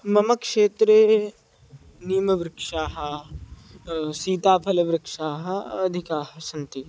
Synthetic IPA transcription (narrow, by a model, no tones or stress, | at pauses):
mɐmɐkʂeːt̪ɾe | nijmɐʋɾɪkʂaːɦɐ̆ | siːt̪aːpʰɐlɐʋɾɪkʂaːɦɐ̆ɐd̪ʱikaːɦɐsɐnt̪i